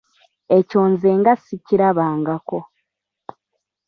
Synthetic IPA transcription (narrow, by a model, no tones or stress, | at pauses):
e̞co̞ːnze̞ːŋɡasiciɾaβaːŋɡako̞